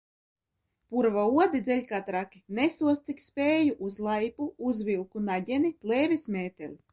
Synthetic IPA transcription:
puɾvauɔd̪id̪zʲɛlʲkat̪ɾakʲinesuɔst̪sikspʲeːjuʔuzlˠajpuuzvʲilˠkunaɟʲɛniplʲeːvʲismʲeːt̪ʲelʲi

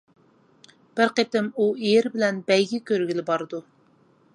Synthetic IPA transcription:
b̥ɪɾqet̪ɪmuijɾbɪlɛnbɛjɡʲikʲøɾɡʲilɪbɑɾɨd̪u

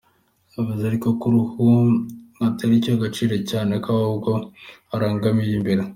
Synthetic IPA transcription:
avuzaɾikokuɾuhu | ataɾicoɡat͡ʃiːɾocaːnekaubɡo̞aɾaːŋɡamiɾimbeɾe

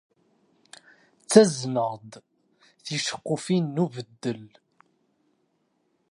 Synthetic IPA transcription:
t͡sːæzməʁd̪ | θiʃə̥qːʊfinːuvəd̪ːəl

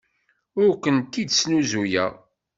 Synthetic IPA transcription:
ʊɾkʷənt̪ːid̪snuzujæ̰

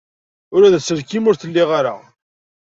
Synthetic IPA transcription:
ʊɾæðæsəɾkimʊɾθəlːiʁaɾa̰

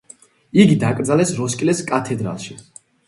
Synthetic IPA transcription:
iɡid̪akʼɾd̪zalɛsɾɔskʼlɛskʼat̪ʰɛd̪ɾa̰lˠʃi

